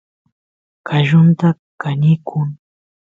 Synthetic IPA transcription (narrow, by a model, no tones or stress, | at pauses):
kaʒʊnt̪a | kanɪkʰʊŋ